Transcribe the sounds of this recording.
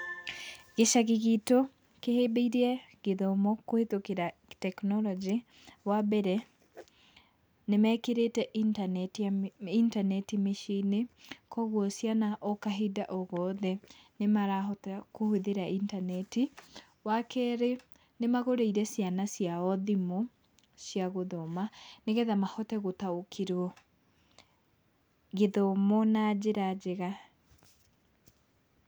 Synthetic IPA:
ɣeʃaɣeɣito | kehebeiɾeɛɣeðɔmɔkohetokeɾatɛknɔlɔd͡ʒe | wabɛɾɛ | nemɛːkeɾetɛʔitintanɛtimeʃinekɔɣwɔsjanaʔɔkaɦedaʔɔɣɔðɛnemaɾaɔtkoheðeɾaʔintanɛti | wakʰɛɾe | nemaɣoɾeiɾɛsjanasjaɔðimo | sjaɣoðɔmaneɣɛðamahɔtɛɣotaokʰiɾwɔ | ɣeðɔmɔnad͡ʑeɾad͡ʑeɣa

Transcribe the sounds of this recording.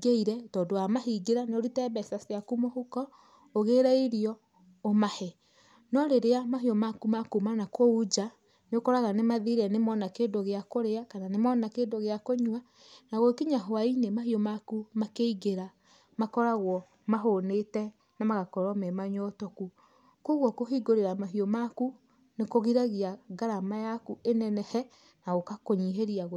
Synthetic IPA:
ɡeiɾɛtɔːdowamaɦiɡeɾaneoɾitɛβɛsaseakumohukɔ | oɣeɾɛiɾiɔ | omahɛ | nɔɾeɾeamaɦiɔmakumakumanakɔud͡ʒa | neokɔɾaɣanemaðiɾɛnemɔnakeːndoɣeakoɾeakananemɔnakeːndoɣeakoɲwa | naɣokiɲaɦoainemahiɔmakumakeiɣeɾa | makɔɾaɣwɔ | maɦonetɛ | namaɣakɔɾɔmɛmaɲɔtɔku | koɣwɔkoɦiɡoɾeɾamaɦiɔmaku | nekoɣiɾaɣiaɡaɾamajakuenɛnɛhɛ | naɣokakoɲiɦeɾiaɣ

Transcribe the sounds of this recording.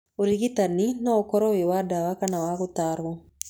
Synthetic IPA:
uɾiɣit̪aninaukɔɾɔwɛwadawakanawaɣut̪aɾɔ

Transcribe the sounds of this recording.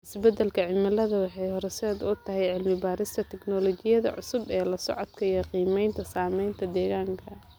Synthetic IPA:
ʔɪsbɛd̪ɛlkʰɐʕɪmɐlɐðɐwɑħɑjhɔɾɛsɛːd̪ʊt̪ʰɐɦɛjʕɪlmɪbaːɾɪst̪ʰɐt̪ʰɛknɔlɔt͡ʃɪjɐðɐ̰ʕʊ̰sʊbɛːlɐsɔ̰ʕɔd̪kʰɐjɔqiːmɛjnt̪ʰɐsaːmɛjnt̪ʰɐd̪ɛːɣaːŋkʰɐ

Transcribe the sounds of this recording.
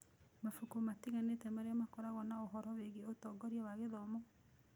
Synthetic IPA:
mafukomatiɣanetɛmaɾeamakɔɾaɣɔnaoɦɔɾɔweɣeotɔɡɔɾiawaɣeðɔmɔ

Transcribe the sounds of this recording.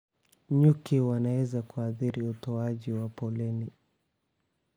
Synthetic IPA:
ɲukiwanawɛzakuaθiɾiutɔaʄiwapɔlɛni

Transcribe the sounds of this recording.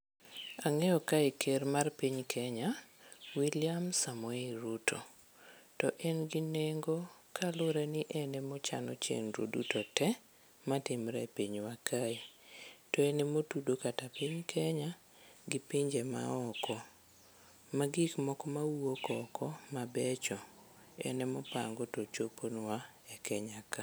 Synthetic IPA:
aŋɛɔkaikʰermarpiɲkʰɛɲawilɪamsamɔeɾutʰo | tɔʔɛnɡɪneŋɡokalʊɾanɪʔɛnɛmɔt͡ʃa̰nɔ̰t͡ʃḛŋɾo̰dutotɛ | matɪmɾɛ̰piɲwakʰaitɔɛnɛmotudokatapɪɲkʰɛɲa | ɡɪpiɲd͡ʒema̰ɔkɔ | maɡikmɔkɔmawuokɔkʰɔmabɛt͡ʃɔ | ɛ̰nɛmɔpa̰ŋɡotot͡ʃoponwa | ɛkɛɲaka

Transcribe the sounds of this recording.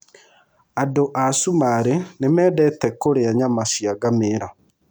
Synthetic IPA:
adoʔasumaɾenemɛdɛtɛkoɾeaɲamasiaɡameɾa

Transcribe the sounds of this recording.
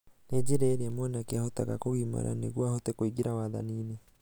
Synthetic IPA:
ned͡ʑeɾeːɾeamwɛnakeahotaɣa̰koɣiːma̰ɾa̰nḛɣwahotekoiɡiɾawaða̰niːne

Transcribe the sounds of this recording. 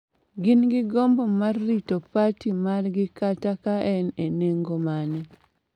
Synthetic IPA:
ɡɪnɡɪɡombomarːitopatimarɡɪkatakaʔɛneneŋɡomanɛ

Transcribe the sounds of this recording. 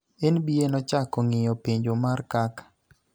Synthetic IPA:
enbienɔt͡ʃakɔŋɪjɔpiɲd͡ʒomarkak

